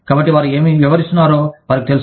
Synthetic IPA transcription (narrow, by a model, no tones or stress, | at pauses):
kaːbɐʈːiʋaːɾue̞ːmiʋiʋɐɾist̪unːaːɾoːʋaːɾɐkit̪elus